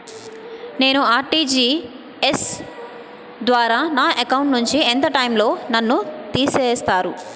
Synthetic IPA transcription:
ne̞ːnuaːɾʈiːd͡ʒiː | es | d̪ʋaːɾaːnaːʔekɐwuɳʈnuɲt͡ʃient̪ɐʈɐjmlo̞ːnɐnːut̪iːseːst̪aːɾu

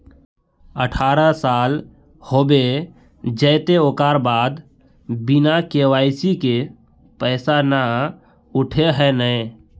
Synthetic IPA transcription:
əʈʰaːɾasaːl | hoːbe | d͡ʒəːt̪eoːkaːɾbaːd̪ | bɪnakeːwaːɪsike | pɛːsana | ʊʈʰeɦɛnəẽ

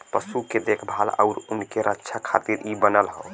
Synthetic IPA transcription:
pəsuked̪ekʰbʱalə̰ʊɾunkeɾʔətːʃʰakʰa̰t̪iɾʔibənəlɦə̰ʊ

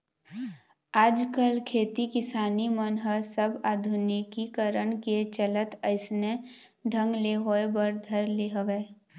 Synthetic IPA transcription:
aːd͡ʒkəlkʰeːt̪ikɪsaːnimənɦəsəbaːd̪ʱʊnikikəɾəɳket͡ʃələt̪əɪsnẽ | ɖʱə̃ŋɡleɦoebəɾd̪ʱəɾleɦoʋeː

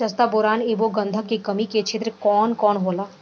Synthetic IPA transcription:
ɐst̪abʊɾaːneboɡə̃nd̪ʱəkːekɐmiket͡ʃʰɪt̪ɾəkɔːnkɔːnɦoːlaː

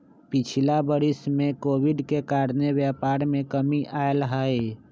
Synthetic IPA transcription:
pɪt͡ʃʰɪlabəɾɪsmẽkoːwɪɖkekaːɾnewjɛːpaːɾmẽkəmiʔaːjlɦaːeː

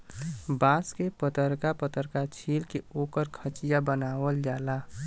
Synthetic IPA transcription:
bãːskepət̪əɾkapət̪əɾkat͡ʃʰiːlkeoːkəɾkʰət͡ʃijabənaːwəld͡ʒaːla

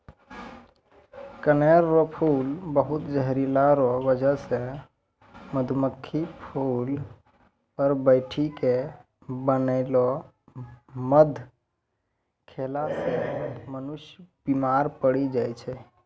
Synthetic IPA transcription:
kəneɾːɔpʰulbəɦut̪d͡ʒəɦɾilaɾɔbəd͡ʒəsẽ | məd̪ʱməkʰːipʰul | pəɾbəɪʈʰike | bənəɪlɔ | məd̪ʱ | kʰelasemənuʃjəbimaɾpəɽid͡ʒajt͡ʃʰɛ

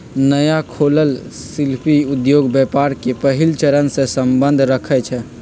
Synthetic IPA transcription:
nəjakʰoːləlsɪlpʰiʊd̪joːɡbjɛːpaɾkepəɦɪlt͡ʃəɾənsesə̃mbə̃nd̪ʱɾəkʰɛt͡ʃʰɛ

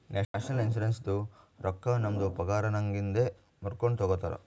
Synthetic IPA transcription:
neʂaːʂɐlins̬uɾenst̪uɾɔkːɐnɐmɐd̪upɐɡaːɾɐnɐŋɡind̪e | muɾkoɳɖt̪ɔɡot̪ːɐɾɐ̰

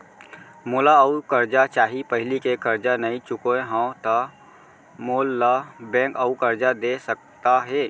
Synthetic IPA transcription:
moːlaəukəɾd͡ʒat͡ʃaːɦipəɦɪlikekəɾd͡ʒanəĩt͡ʃʊkoẽɦãõt̪ə | moːlːabɛ̃kəukəɾd͡ʒad̪esək̚t̪aɦɛ

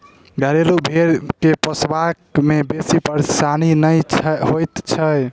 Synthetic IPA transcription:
ɡʱəɾelubʱeɾkepəsbakmebesipəɾsaninəjɦojt̪t͡ʃʰəj

